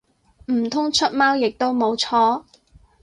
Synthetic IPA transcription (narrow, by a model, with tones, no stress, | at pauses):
m̩˨˩t̪ʰʊ˥ŋt͡ʃʰɵ˥t̚maː˥wjɪ˨k̚t̪o˥wmo˨˧wt͡ʃʰɔː˥